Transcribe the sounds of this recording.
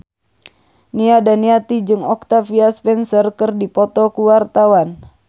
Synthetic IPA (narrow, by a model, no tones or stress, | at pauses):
niadaniat̪id͡ʒɨŋɔk̚t̪afiaspɛnsərkərdipɔt̪ɔkuwart̪awan